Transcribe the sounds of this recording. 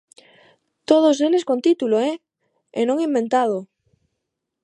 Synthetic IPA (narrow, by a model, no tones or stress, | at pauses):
t̪oð̞oseleskont̪it̪uloe | enoŋimbẽnt̪aðo